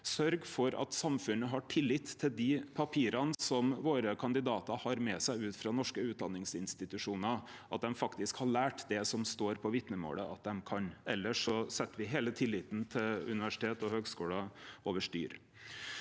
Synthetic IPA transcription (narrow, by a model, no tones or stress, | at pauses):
sœɾɡfɔɾɑ̰t̪sɑmfʉnːəɦɑʈʰɪlːɪt̪ʰːɪld̪ɪpʰɑpʰiːɾɑnəsɔmʋoːɾəkʰɑnd̪ɪd̪ɑːt̪əhɑɾmɛsæɪʉːt̪fɾɑnɔʂkəʉːt̪̚d̪ɑ̰nːɪŋsɪnst̪ɪt̪ʉʂuːnə | ʔɑt̪̚d̪ɛmfɑkt̪ɪskhɑɭæːʈd̪ɛsɔmst̪oːɾpʰɔʋɪt̪nəmo̰ːləɑt̪̚d̪ɛmkʰɑnɛlːəʂɔsɛt̪ːʋɪɦeːlət̪ʰɪlːɪt̪n̩t̪ʰɪlʉ̰nɪʋæʂɪ̥t̪ʰeːt̪ɔhøːɡskuːlɑoʋəʂʈy̰ːɾ